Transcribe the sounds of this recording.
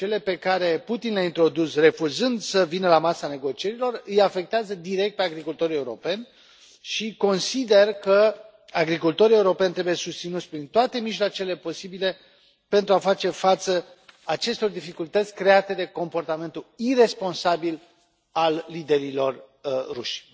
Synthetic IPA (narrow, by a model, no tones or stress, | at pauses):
t͡ʃe̞le̞pe̞kaɾe̞put̪inleaint̪ɾo̞d̪usre̞fuzɨnd̪səvinəlamasane̞ɡo̞t͡ʃie̞ɾilo̞rɨjafe̞k̚t̪eazəd̪iɾe̞k̚t̪̚pe̞aɡɾikult̪o̞ɾije̞uɾo̞̰pe̞nʲ | ʃiko̞nsid̪e̞rkə | aɡɾikult̪o̞ɾije̞uɾo̞penʲt̪ɾe̞buje̞sust̪sinut̪sʲpɾint̪oat̪e̞miʒlat͡ʃe̞le̞po̞sibile̞ | pe̞nt̪ɾuafat͡ʃe̞fat̪sə | at͡ʃe̞st̪o̞rd̪ifikult̪ət̪sʲkɾe̞at̪e̞d̪e̞ko̞mpo̞rt̪ame̞nt̪uire̞spo̞nsabil | alːid̪e̞ɾilo̞rː | uʃʲ